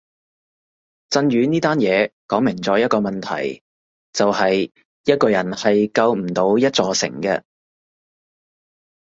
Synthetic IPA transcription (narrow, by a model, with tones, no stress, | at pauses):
t͡sɐ˧nɥyː˨˧niː˥t̪aː˥njɛː˨˧kɔː˨˥ŋmɪ˨˩ŋt͡sɔː˨˥jɐ˥t̚kɔː˧mɐ˨nt̪ʰɐ̰˨˩j | t͡sɐ˨whɐ˨j | jɐ˥t̚kɔː˧jɐ˨˩nhɐ˨jkɐ˧wm̩˨˩t̪o˨˧˥wjɐ˥t̚t͡sɔː˧sɪ̰˨˩ŋkɛ̰˧